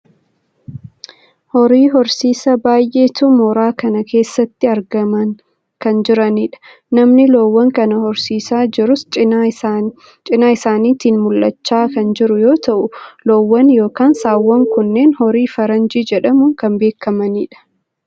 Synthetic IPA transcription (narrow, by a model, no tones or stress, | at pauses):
hɔɾiːɦɔɾsiːsɐbaːjʔe̞ːt̪uːmɔɾaːkɐnɐkʰe̞ːsːɐt̪ːɪɐɾɡɐmɐn | kɐnd͡ʒɪɾɐniːᶑɐ̥ | nɐmnɪloːwːɐŋkɐnɐhɔɾsiːsaːd͡ʒɪɾʊs | t͡ʃʼɪnaːɪsaːniːt̪iːnmʊlʔɐt͡ʃːaːkɐnd͡ʒɪɾʊjo̞ːt̪ɐʔʊloːwːɐnjo̞ːkaːnsaːwːɐŋkʊnːeːnhɔɾiːfɐɾɐnd͡ʒiːd͡ʒɛᶑɐmʊŋkɐmbe̞ːkːɐmɐniːᶑɐ̥